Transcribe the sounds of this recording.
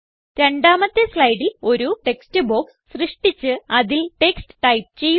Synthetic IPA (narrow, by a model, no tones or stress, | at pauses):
ɾeɳɖaːmɐt̪ːeslɐjɖilo̞ɾuʈe̞kstɨbo̞ːkssrɨʂʈit͡ɕːɨɐðilʈe̞ksʈɨ̥ʈɐjp̚t͡ɕe̞jː